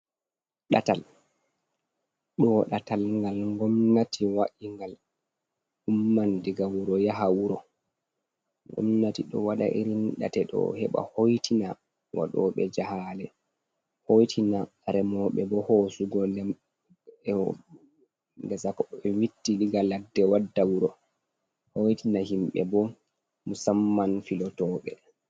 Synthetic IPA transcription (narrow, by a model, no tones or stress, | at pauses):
ɗatal | ɗɔɗatalŋɡalŋɡɔmnatʰiwaʔiŋɡal | humːandiɡawuɾɔjaɦawuɾɔ | ŋɡɔ̰mnatiɗɔwaɗa̰ʔiɾinɗa̰tɛɗɔ̰hɛɓa̰hojtʰina | wa̰ɗɔ̰ɓɛd͡ʒahalɛ | hojtʰina | ɾɛmɔɓɛbɔhosuɡɔlɛm | ɛ | dɛsakɔɛwitːiliɡaladːɛwadːawuɾɔ | hojtʰinahimɓɛ̰bɔ | musamːanfilɔtɔːɓɛ̰